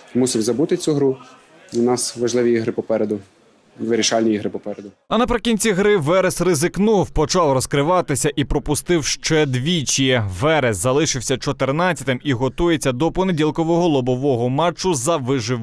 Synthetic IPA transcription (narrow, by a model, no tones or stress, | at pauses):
musʲiwʲzɐbut̪ɪt͡sʲuɦɾu | nɑsʋɐʒlˠɪʋʲiiɦɾɪpɔpɛɾed̪ʊ | ʋɪɾʲiʃɑlʲnʲiiɦɾɪpɔpɛɾed̪ʊ | ɐnɐpɾɪkʲinʲt͡sʲiɦɾɪʋɛɾɛsrɪzɪknuwpɔt͡ʃɑwrɔskɾɪʋɑt̪ɪsʲɐʔipɾɔpʊst̪ɪwʃt͡ʃɛd̪ʋʲit͡ʃiʋɛɾɛszɐlˠɪʃɪwsʲɐt͡ʃɔt̪ɪrnɑt͡sʲːɐt̪ɪmiɦɔt̪ujet͡sʲːɐd̪ɔpɔnedʲilˠkɔʋɔɦɔlˠɔbɔʋɔɦɔmɑt͡ʃːʊzɐʋɪʒɪ